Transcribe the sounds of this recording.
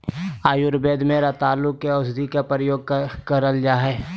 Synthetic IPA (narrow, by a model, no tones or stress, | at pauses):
aːjʊɾbeːd̪mẽɾat̪aːlːʊkːeɔːsd̪ikapɾəjoːɡ̚kɐɾəld͡ʒaːɦɛː